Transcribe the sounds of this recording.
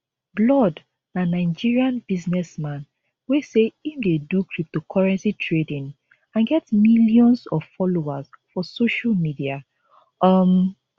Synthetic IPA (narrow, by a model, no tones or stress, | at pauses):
blɔd | nanaɪd͡ʒiɹiãnbiznɛsmãn | weseifdedukɹip̚tokʰɔɹɛ̃nsitʰɹedĩn | ãnɡɛtmiljɔ̃nsɔv̥fɔlowaz | fɔsoʃalmidia | ʌm